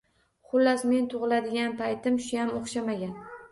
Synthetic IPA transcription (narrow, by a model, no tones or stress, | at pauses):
χʊlːasme̞nt̪ʰʊʁɨlad̪ɪɡʲanpʰajt̪ɪmʃʊjamoχʃamaɡʲan